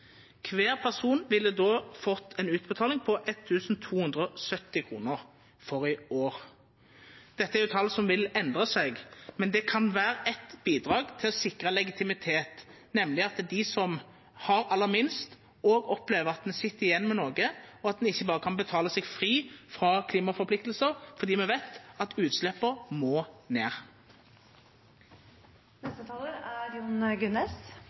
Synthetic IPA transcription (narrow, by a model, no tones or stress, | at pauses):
kʰʋeːʁpʰæʁsuːnʋɪlːəd̪oːfɔt̪ʰːɛnʉːt̪bət̪ʰɑːlɪŋpʰɔʔɛt̪ʰːʉːsn̩t̪ʰuːhʉnd̪ʁəɔsœt̪ːɪkʰʁṵːnəʁ | fɔʁɪoːɾ | d̪̥ɛt̪ːəæɾjʉt̪ʰɑlːsɔmʋɪlɛnd̪ʁəsɛɡmɛnd̪ɛkʰɑnʋæːɾəʔɛt̪b̥iːd̪ʁɑːɡt̪ʰɪlɔsɪkʁəlɛɡɪt̪ʰɪmɪt̪ʰeːt̪ | nɛmlɪɑt̪d̪ɪsɔm | hɑɾɑlːəɾmɪnst̪ | oːɡɔpleːʋəʁɑt̪̚d̪ɛnsɪt̪ːɪjɛnːmɛnoːɡəɔɑt̪̚d̪ɛnɪçːəbɑːʁəkʰɑnbət̪ʰɑːləsɛɡfɾiːfʁɑkʰliːmɑfɔɾpʰlɪk̚t̪l̩səɾfɔʁd̪iːmɛʋæɪt̪ɑt̪ʉːt̪slɛpːəɾmoːneːʁ | nɛst̪ət̪ʰɑːləɾæɾjuːnɡʉnɛs